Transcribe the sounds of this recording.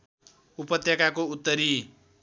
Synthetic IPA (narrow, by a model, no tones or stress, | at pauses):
upʌt̪jʌkakout̪ːʌɾi